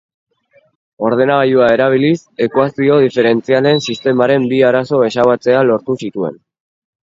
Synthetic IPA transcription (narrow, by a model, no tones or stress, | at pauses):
o̞ɾð̞e̞naɣaʎuae̞ɾaβ̞ilise̞kwasio̞ð̞ife̞ɾe̞nt͡siale̞nsist̪e̞maɾe̞mbiaɾaso̞e̞saβat͡se̞alo̞ɾt̪usit̪ue̞̰n